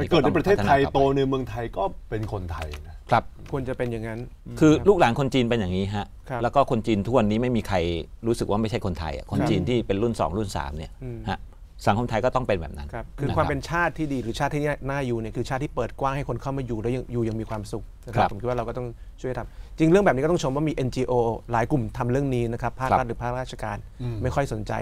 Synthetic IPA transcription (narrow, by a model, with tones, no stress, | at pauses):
kɤː˨˩t̪ʰːpɾtʰe˥˩˧taa˧jt̪oː˧nɯ˧mɯ˧əŋt̪ʰa˧jkɔː˥˩pe˧nkʰo˧nt̪ʰa˧jna˦˥kʰɾa˦˥p̚kʰu˧ənt͡ɕa˨˩pe˧nja˨˩ŋa˦˥n | kʰɯː˧luː˥˩k̚laː˩˦nkʰo˧nt͡ɕiː˧npe˧njaː˨˩ŋniː˦˥ɦa˦˥ʔʰlɛː˦˥wkɔː˥˩kʰo˧nt͡ɕiː˧nt̪ʰu˥˩ənːiː˥˩ma˥˩jmiː˧kʰa˧jɾuː˦˥sɯ˨˩k̚waː˥˩ma˥˩jt͡ɕʰa˥˩jko˧nt̪ʰa̰˧jʔa̰˨˩kʰo˧nt͡ɕiː˧nt̪ʰiː˥˩pe˧nɾu˥˩nsɔ̰ː˩˦ŋlu˥˩nsa̰ː˩˦mni˥˩ɐha˦˥ʔ | sa˨˩˦ŋkʰo˧nt̪ʰa˧jkɔː˥˩t̪ɔ˥˩ŋpe˧nbɛ̰ː˨˩p̚na̰˦nkʰa˦˧p̚kʰɯː˧kwaː˧mpe˧nt͡ɕʰaː˥˩t̪ʰːiː˥˩diː˧ɾɯː˩˦t͡ɕʰaː˥˩t̪ʰːiː˥˩n˥˩naː˥˩juː˧˩ni˥˩əkʰɯː˧t͡ɕʰa˥˩t̪ʰːiː˥˩pɤː˨˩t̪̚kwaː˥˩ŋha˥˩jkʰo˧nkʰa˥˩wmaː˧juː˨˩lɛ˦˥wja˧ŋjuː˨˩ja˧ŋmiː˧kʰwaː˧msu˨˩k̚na˦˥kʰaa˦˩pːo˩˦mʰi˦t̪̚wa˥˧ɾwkɔː˥˩t̪ɔ˥˩ŋt͡ɕʰjt̪ʰa˧mt͡ɕi˧ŋɾɯ˥˩ŋbɛː˨˩p̚ni˦˥˩t̪ɔ˥˩o˧mwa˥˩miː˧ʔe˧nt͡ɕiː˧ʔoː˧laː˨˩˦jklu˨˩mt̪ʰa˧mɾɯ˥˩əŋniː˦˥na˦˥kʰpʰːaː˥kɾt̪̚ɾɯ˩˦pʰaː˥˩k̚ɾaː˥˩t͡ɕʰa˧kaː˧nma˥˩jkʰɔ˥˩jso˩˦nt͡ɕa̰˧j